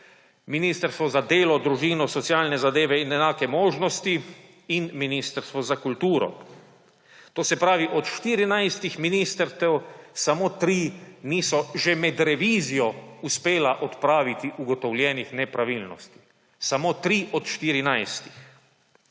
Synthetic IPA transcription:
miniːst̪əɾst̪ʋɔzad̪eːlɔd̪ɾuʒiːnɔsɔt̪sijaːlnɛzad̪eːʋɛinɛnaːkɛmoːʒnɔst̪i | inminist̪əɾst̪ʋɔzakult̪uːɾɔ̰ | t̪oːsɛpɾaːʋiʔɔt̪ʃt̪iɾinajst̪ixminiːst̪əɾt̪ɛwsamoːt̪ɾiniːsɔʒɛmɛd̪ɾɛʋiːzijɔuspeːlaʔɔt̪pɾaːʋit̪iʔuɡɔt̪ɔwljɛnixnɛpɾaʋilnɔst̪i̥ | samoːt̪ɾiʔɔt̪ʃt̪iɾinajst̪i̥x

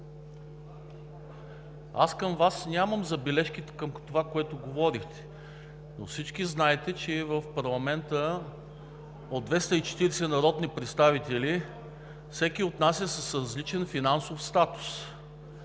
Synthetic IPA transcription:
a̰skəmvasnʲaməmzɐbɛlɛʃk̟it̪ɛ̥kəmt̪ovakoɛt̪ʊɡovɔɾixt̪ɛ̥ | nofsit͡ʃkiznaɛt̪ɛt͡ʃɛvəfpɐɾlˠɐmɛnt̪ə | od̪vɛst̪əit͡ʃɛ̥t̪iɾɛsɛnɐɾɔd̪nipɾɛt̪st̪avit̪ɛli | fsɛk̟iot̪nasʲɐsɐsɾɐzlit͡ʃɛnfinansofst̪at̪u̥s

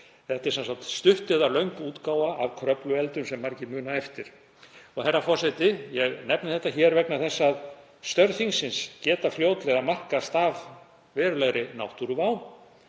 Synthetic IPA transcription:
θɛht̪ɪɾ̥sɛnsakt̪st̪ʏht̪ɪðalœɥŋkuːt̪kaːwaavkʰɾœplʏɛlt̪ʏmsɛmːaɾcɪmʏːnaɛft̪ɪɾ̥ | ɔɣθɛrːafɔ̥sajt̪ɪjɛɣnɛpnɪθɛht̪açɛːɾvɛknaθɛsːað | st̪œɾθiŋsɪnscɛːt̪afljoːwt̪lɛɣamar̥kast̪aːv | vɛːɾʏlɛɣɾɪnawht̪uɾʏvaw

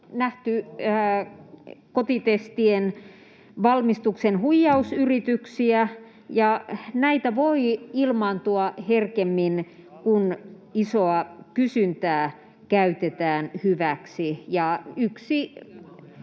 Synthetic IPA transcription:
næht̪y | kot̪it̪est̪ien | ʋɑlmist̪uksenhujːɑusyrit̪yksiæ | jɑnæit̪æʋoiilmɑnt̪uɑherkemːin | kun | isoɑkysynt̪æː | kæyt̪et̪æːnhyʋæksijɑyksi

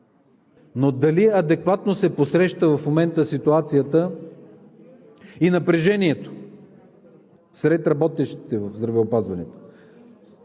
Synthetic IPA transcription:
nod̪ɐliɐd̪ɛkvat̪nosɛposɾɛʃt̪əvɐfmomɛnt̪əsit̪uat̪sijət̪ə | inɐpɾɛʒɛniɛt̪o̥ | sɾɛt̪ɾɐbɔt̪ɛʃt̪i̥t̪ɛvəvzd̪ɾɐvɛopazvɐnɛt̪o̥

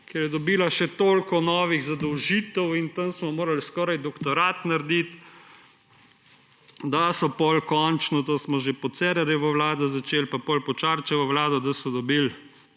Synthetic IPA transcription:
kɛɾjɛd̪ɔbiːlaʃɛt̪oːlkɔnɔːʋiɣzad̪ɔwʒiːt̪ɛwint̪ənsmɔmoːɾalskɔːɾajd̪ɔkt̪ɔɾat̪naɾd̪it̪ | d̪asɔpɔlkɔnt͡ʃnɔt̪oːsmɔʒepɔt̪sɛɾəɾjɛʋəwlaːd̪ɔzat͡ʃelpapɔlpɔt͡ʃaɾt͡ʃɛʋəwlaːd̪ɔd̪asɔd̪ɔbil

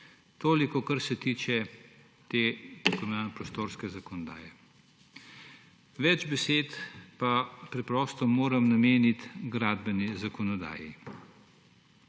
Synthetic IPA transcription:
t̪oːlikɔkaɾsɛt̪iːt͡ʃɛ | t̪eːpɔmanpɾɔst̪oːɾskɛzakɔnɔd̪a̰ːjɛ | ʋɛd͡ʒbɛseːt̪papɾɛpɾɔːst̪ɔmoːɾɐmnameːnit̪ɡɾaːd̪bɛnizakɔnɔd̪a̰ːji

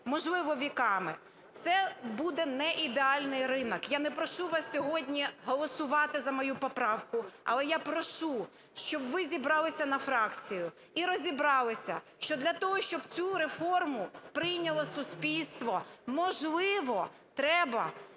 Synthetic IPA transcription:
mɔʒlˠɪʋɔʋʲikɑmɪ | t̪sɛbud̪ɛnɛʔid̪eɑlʲnɪjrɪnɐkjanɛpɾɔʃuʋɑsʲsʲɔɦɔdʲnʲiɦɔlˠɔsʊʋɑt̪ɪzɐmɔjupɔpɾɑwkʊɐ̰lˠɛjapɾɔʃu | ʃt͡ʃɔbʋɪzʲibɾɑlˠɪsʲɐnɐfɾɑkt͡sʲijʊ | iɾɔzʲibɾɑlˠɪsʲɐ̰ | ʃt͡ʃɔd̪lʲɐt̪ɔɦɔʃt͡ʃɔbt͡sʲuɾefɔrmʊspɾɪjnʲɐlˠɔsʊsʲpʲilʲst̪ʋɔmɔʒlˠɪʋɔ | t̪ɾɛbɐ

